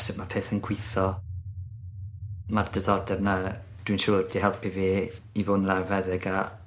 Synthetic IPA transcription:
sɛmapʰeːθənɡʰwɪθɔ | mard̥əðɔdɛvna | d̥winʃʊːrdiɦɛlˠpʰiveː | ivoːnlˠɛvɛðɛɡa

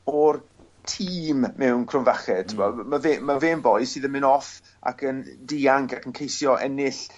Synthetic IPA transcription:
ɔr | tʰiːmmɛwnkʰrʊnvaχɛd̥tʰʊbɔmaveːmaveːnbɔjsiːðənmɪnɔf | a̰kəndiːaŋkakʰənkʰejsjɔʔɛ̰nɪɬ

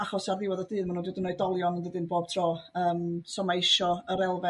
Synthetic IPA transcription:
aχɔsarðɪwɔðədɨːðmanuːdwədɪnɔɨdɔlˠjɔnənðədɨnboːb̥̚tʰroːəːmsɔmejʃɔəɾɛlˠvɛ

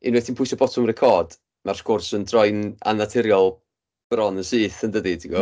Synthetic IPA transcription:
ɪ̰nwɛtʰinpʰʊjsɔbɔtʰʊmrɛkʰɔːd̥ | marskʰʊrsəndrɔjna̰natʰɛɾjɔlˠ | b̥rɔnəsiːθəndədidiɡɔ

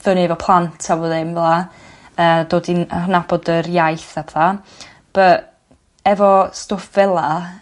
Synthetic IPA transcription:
ðənivɔpʰlˠantʰawɔðɪmvɛlˠa | əːdoːdiərnab̥ɔdərjajθapʰθa | b̥ə | ɛvɔstofv̥ɛlˠa

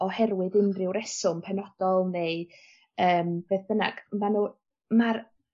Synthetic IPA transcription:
ɔhɛrwɪðɪnrɪwɾɛsʊmpʰɛnɔd̥ɔlˠnej | əːmb̥eːθəna̰ɡ̥manu | mar

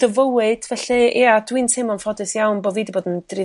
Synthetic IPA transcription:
d̥əvəwɨd̥vɛɬɨ̰adwintsʰemɔnfɔdɨsjawnboːviːdiboːdənd̥rɪ

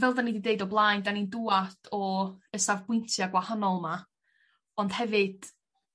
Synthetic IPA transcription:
vɛlˠdanidideɨdɔblˠaːjndaninduadʰɔəsavbwɪntʰjaɡwahanɔlˠma | ɔnd̥hɛvɨd̥

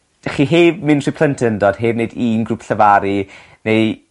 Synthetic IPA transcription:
d̥aχiːɦeːvmɨnr̥ipʰl̥ˠəntʰndoːd̥ɦeːvnejdiːnɡrupʰɬəvaɾi | nej

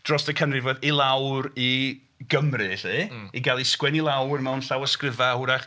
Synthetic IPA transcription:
d̥rɔsəkʰənrɨvoːðilˠawɾi | ɡəmrɨɬiiɡalˠiskwɛnilˠawrmɛwnɬawəskrɪvahʊɾaχ

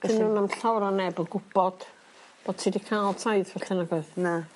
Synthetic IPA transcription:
b̥ɛəsnuːnamɬawɾɔnɛbəɡʊb̥ɔd̥ | b̥od̚tʰidikʰalˠtʰajðvɛɬɪnaɡɔðna

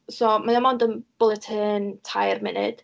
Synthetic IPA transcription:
sɔmanɛmɔndənb̥ʊlˠətʰhɨntʰajrmɪnɨ̰d̥

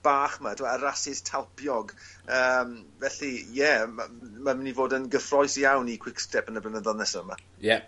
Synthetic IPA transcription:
b̥aːχmatʰuaəɾasɪstʰalˠpʰjɔɡ | əːmvɛɬijɛmamamɪnivoːdənɡəfrɔjsijawnikʰw̥ɪkstɛpənəblˠənəðɔnɛsɔəma̰ | jɛ

